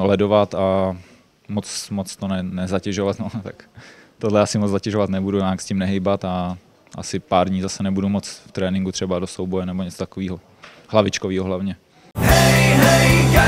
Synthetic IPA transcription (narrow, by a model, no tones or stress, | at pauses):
lɛdo̞vat̪a | mot͡smot͡st̪onɛnɛzacɛʒovat̪not̪akt̪odlɛasɪmot͡szacɛʒovat̪nɛbuduɲaːkscimnɛɦɪjbat̪a | ʔa̰sɪpaːɾdɲiːzasɛnɛbudumot͡sft̪ɾɛːnɪŋɡut̪r̝̥ɛbadosowbojɛnɛboɲɛt͡sot̪ḁkoviːɦo | hlavɪt͡ʃkoviːɦoɦlavɲɛ